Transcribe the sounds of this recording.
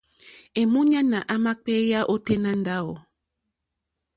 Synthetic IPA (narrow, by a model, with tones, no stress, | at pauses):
e˨mu˦ɲa˦na˨ʔa˦ma˦k͡pɛ˦ja˦ʔo˦te˦nã˦n˦da˦o˨